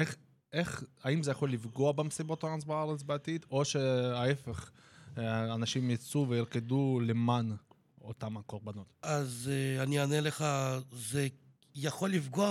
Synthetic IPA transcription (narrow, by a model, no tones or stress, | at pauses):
eχ | eχaimzejaχo̞lːifɡoabemsibo̞t̪aansbeaʁet͡sbeat̪it̪o̞ʃeae̞fe̞χ | anaʃimjat͡suveiʁkeduleman | ot̪amakoʁbano̞t̪azanianeleχaze | jaχolːifɡoa